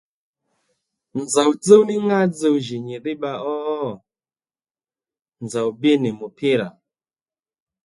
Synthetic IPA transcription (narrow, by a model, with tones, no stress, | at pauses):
nd͡za˨u˨d͡ze˦wni˦ŋɡa˦d͡ze˦u˨ʒi˨ɲi˨ɗi˦ɓa˨ɔ˦˨ | nd͡za˨u˨bi˦ni˨mu˨pʰi˦ɾa˨